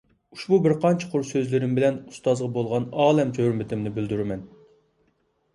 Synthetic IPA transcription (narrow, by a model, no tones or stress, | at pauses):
uʃbubɪɾqʰɑnt͡ʃʰə̥qʰʊɾsøzlɪɾɪmbɪlɛnust̪ɑzʁɑbolˠʁɑnɑːlˠɛmd͡ʒʰøɾmɪt̪ʰɪmnɪbyld̪yɾɪmɛn